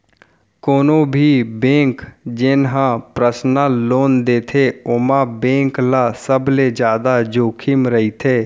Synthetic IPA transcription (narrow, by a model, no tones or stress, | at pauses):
koːnõbʱibẽːŋkd͡ʒɪnɦãpɾəsnãloːnd̪eːt̪ʰeʊmãbẽːŋklasəbled͡ʒjaːd̪ad͡ʒoːkʰɪmɾəɦit̪ʰeː